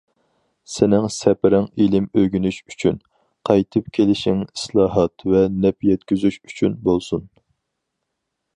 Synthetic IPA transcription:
sɪnɪŋsɛpɪɾɪŋilɪmøɡʲynyʃy̥t͡ʃʰyn | qʰɑjt̪ʰɨp̚kʲʰelɪʃɪŋi̥slˠɑːɦɑt̪vɛnɛpjɛt̪kʲyzyʃyt͡ʃʰynbolˠsun

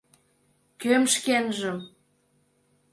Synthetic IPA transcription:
kømʃkenʒəm

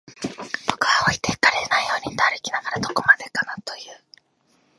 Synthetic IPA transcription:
b̥o̞kɯ̟βaoit̪e̞kaɾenaijo̞ːɲ̟ʲinaɾɯkʲinaɡaɾad̪o̞ko̞mad̪e̞kanat̪o̞jɯ̟ː

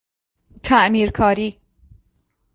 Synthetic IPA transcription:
t̪ʰæʔmiːɾkʰɒːɾiː

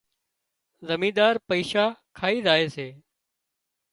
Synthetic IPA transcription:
zəmĩːd̪aːɾpəiːʃaːkʰaːiːzaːeːseː

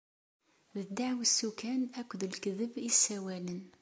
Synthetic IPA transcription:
ðəd̪aʕwəsːukænækʷːəðlkəðəbisːæwælən

